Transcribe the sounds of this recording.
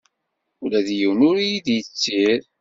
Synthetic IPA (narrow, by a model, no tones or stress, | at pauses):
ʊlæðjiwnʊɾijiðjət͡sːiɾ